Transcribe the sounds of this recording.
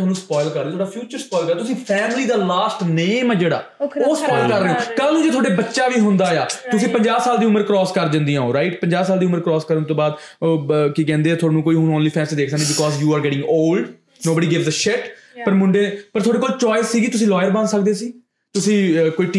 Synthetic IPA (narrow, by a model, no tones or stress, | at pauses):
aːnũːspɔːɪlkəɾdeːt̪ʰːɽaːpʰjuːt͡ʃəɾspɔːɪlkəɾt̪ʊsĩːpʰɛːmliːd̪aːlaːsʈneːmɛːd͡ʒeːɽa̰ːoːspɔːɪlkəɾːeːõːkəːlõːd͡ʒeːt̪ʰoːɽeːbətːʃaːʋiːɦʊnd̪aːejaːt̪ʊsĩːpəɲd͡ʒaːsaːld̪iːʊməɾkɾɔːskəɾd͡ʒə̃nd̪ijãːõːɾaːɪʈpəɲd͡ʒaːsaːld̪iːʊməɾkɾɔːskəɾənt̪õːbaːd̪ | oːkikɛ̃ːnd̪eːaːt̪ʰaːnũːkoːiːɦʊnõːnliːpʰɛ̃ːnsiːd̪eːkʰsəknẽːbɪkɔːzjuːaːɾɡɛːʈɪ̃ŋɡoːlɖ | noːbəɖiːɡɪʋzəʃɪʈpəɾmʊɳɖeːpəɾt̪ʰoːɽeːkoːlt͡ʃɔːɪsiːɡiːt̪ʊs̬ĩːlɔːjəɾbə̃nsək̚d̪eːsiː | t̪ʊsĩːkoːiːʈː